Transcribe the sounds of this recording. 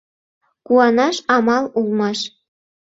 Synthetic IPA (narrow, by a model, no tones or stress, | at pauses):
kuɑnɑʃɑmɑlˠulˠmɑʃ